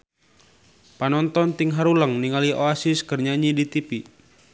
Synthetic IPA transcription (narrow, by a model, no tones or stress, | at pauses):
panɔnt̪ɔnt̪iŋɦaɾuləŋniŋaliʔoasiskərɲaɲidit̪ipi